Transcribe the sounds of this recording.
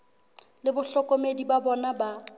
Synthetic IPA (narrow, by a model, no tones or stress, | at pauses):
lɪbʊɬɔkʼɔmedibabɔnaba